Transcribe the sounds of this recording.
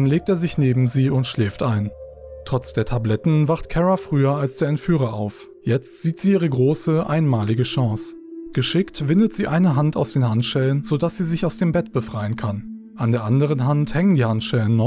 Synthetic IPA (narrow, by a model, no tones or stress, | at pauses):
nleːk̚teːɐzɪçneːbm̩ziːʊntʃlɛːftʔaɪn | tʁ̥ɔt͡sd̥eːɐtʰablɛtn̩vaχtkʰɛʁafʁ̥yːɐalsd̥eːɐɛntfyːʁ̞ɐʔa̰ʊf | jɛt͡stz̥iːtz̥iːʔiːʁ̞əɡʁoːsəʔa̰ɪnmaːlɪɡəʃɑ̃ːs | ɡ̥əʃɪktv̥ɪndətz̥iːʔaɪnəɦanta̰ʊsd̥eːnhantʃɛlənzodasz̥iːzɪçaʊsd̥eːmbɛtb̥əfʁ̥aɪənkʰan | ʔandeːɐʔandəʁ̞ənɦanthɛŋəndiːhantʃɛlənːɔ